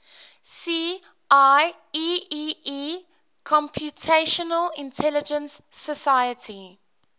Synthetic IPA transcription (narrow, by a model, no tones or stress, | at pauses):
siː | aɪ | iii | kʰɔ̃mpʰjutʰeʃɔnəlɪ̃ntʰɛlɪd͡ʒə̃nsːəsaɪətʰi